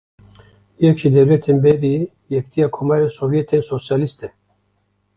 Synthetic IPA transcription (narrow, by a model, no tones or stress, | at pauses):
jɛkʒid̪ɛɾjɛt̪ʰenbɛɾi | jɛkt̪ʰijaːkʰomaːɾensovjɛt̪ʰeːnsosjaːlist̪ɛ